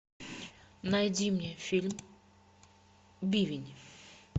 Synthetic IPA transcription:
nɐjdʲimnʲɛfʲilʲm | bʲivʲɪnʲ

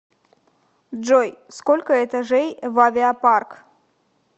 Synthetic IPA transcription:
d͡ʒojskolʲkəɛt̪aʐejvavʲɪapark

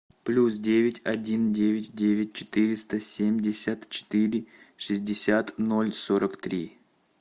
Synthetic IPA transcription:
plʲusdʲevʲɪtʲɐdʲindʲevʲɪtʲdʲevʲɪt̚ʲt͡ɕɪ̥t̪ɨɾʲɪst̪əsʲemʲdʲɪsʲət̪t͡ɕɪ̥t̪ɨɾʲɪ | ʂɨzʲdʲɪsʲat̪no̞lʲsoɾəkt̪ɾʲi

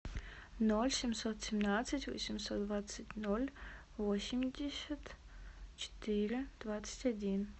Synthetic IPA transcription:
nɔlʲsʲemsɔt̪ʰsʲemnat͡s̪ɨtʰʲwɔ̰sʲimsɔt̪̚dvat͡sːɨtʲʰnɔlʲ | wɔsimdʲesɐtʰ | t͡ʃʰɪ̥tʰirɨd̥vat͡sʰɨ̥tʲʰadʲin

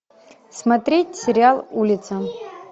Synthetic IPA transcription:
smat̪ɾʲetʲsʲɪɾʲɪalˠulʲit̪sʰɐ

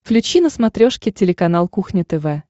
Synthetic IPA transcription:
flʲʉt͡ɕinəsmɐt̪ɾʲoʂkʲɪtʲɪlʲɪkɐnalˠkuxnʲɪt̪ɛvɛ

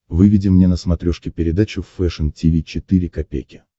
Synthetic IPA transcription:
vɨvʲɪdʲɪmnʲenəsmɐt̪ɾʲoʂkʲɪpʲɪɾʲɪd̪at͡ɕʊfːɛʂəntʲɪvʲit͡ɕɪt̪ɨɾʲɪkɐpʲḛjkʲɪ̥

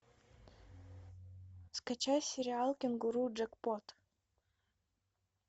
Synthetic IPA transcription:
fskat͡ɕajsʲɪɾʲɪalˠkʲɪnɡʊɾud͡ʒɛkpot̪

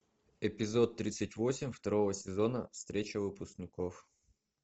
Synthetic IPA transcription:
ɪpʲɪzo̞t̪ːɾʲit̪sɨtʲvosʲɪmʲft̪ɐɾo̞vəsʲɪzo̞nə̰fst̪ɾʲet͡ɕəvɨpʊsknʲɪkof

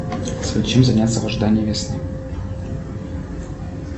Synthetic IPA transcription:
svʲed̪ʲt͡ɕemzanʲat̪səvəʐɨd̪anʲɪjəvʲesnɨ

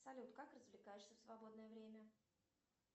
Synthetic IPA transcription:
sɐlʲut̪kakrəzvlʲɪkajɪʂsʲəfsvɐbo̞d̪nəjəvɾʲemʲə

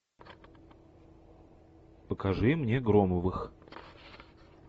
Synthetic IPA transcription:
pəkɐʐɨmnʲeɡɾoməvɨx

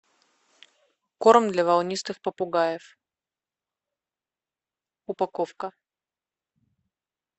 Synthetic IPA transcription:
kormd̪lʲɐvɐlˠnʲist̪ɨxpəpʊɡajɪf | ʊpɐkofkə

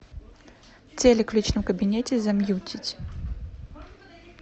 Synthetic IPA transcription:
t͡sʲɛlʲɛklʲit͡ʃnɨwkɐbʲinʲɛt͡sʲɛzɐmjut͡sʲit͡sʲ

